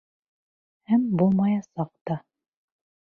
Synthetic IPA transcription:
hæmbulˠmɑjɑsɑq̚t̪ɑ

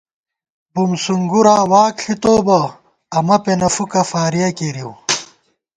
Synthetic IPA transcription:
bumsuŋɡuɾaːwaːkɬit̪oːbɐ | ɐmɐpenɐfukɐfaːɾijɐkiɾiw

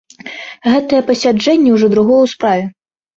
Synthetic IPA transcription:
ɣɛt̪ɐjɛpɐsʲad͡ʐɛnʲːɛwʐɔd̪ɾuɣɔjwspɾavʲɛ

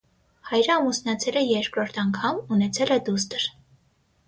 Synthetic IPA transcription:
hɑjɾəɑmusnɑt͡sʰɛləjɛɾkɾɔɾt̪ʰɑŋkʰɑmunɛt͡sʰɛlɛd̪us̬t̪əɾ

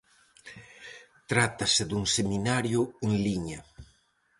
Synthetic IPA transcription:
t̪ɾat̪asɪd̪uŋseminaɾjʊeŋliɲɐ

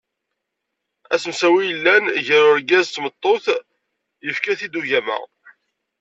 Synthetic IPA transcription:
æsəmsæwijəlːænʝæɾʊɾɡæzt̪ːmət̪ˤːoθ | jəfkæθid̪uʝæmæ̰

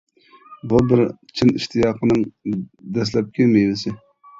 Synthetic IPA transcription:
bubɪɾt͡ʃʰiniʃt̪ʰijɑːqʰənɨŋd̪ɛs̬lɛp̚kʲʰɛmejlɪsɪ

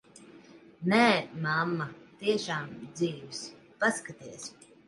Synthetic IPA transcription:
nɛːmamːat̪iɛʃaːmd̪ziːvs | paskat̪iɛs

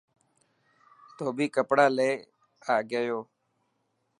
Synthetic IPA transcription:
t̪oːbʱiːkəpɽaːleː | aːɡəjoː

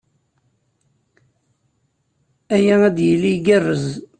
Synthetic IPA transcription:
æjææd̪jəlːiɡærːəz

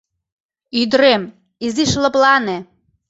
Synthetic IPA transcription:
yd̪ɾem | iziʃlɤ̆plɑne

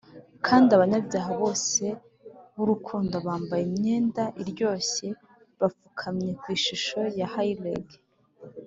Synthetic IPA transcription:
kʰaːndiaβaɲabjaːɦaβo̞ːse̞ | βuɾukʰuːndoβaːmbajemɲe̞ːndaʔiɾɟo̞ːse̞ | βafukʰamɲe̞kwiːʃuʃo̞jahaileɡ

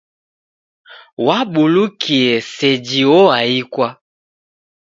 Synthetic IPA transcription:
waɓulukʰiɛsɛd͡ʒiɔaikwa

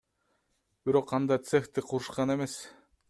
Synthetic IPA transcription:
b̥iɾo̞qʰːɑnd̪ɑt̪sext̪iqʰuɾuʃqɑne̞me̞s

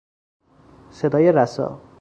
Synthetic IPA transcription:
sed̪ʌjʌɾasʌ̰

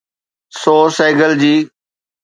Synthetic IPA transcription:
soːseːɡəld͡ʑiː

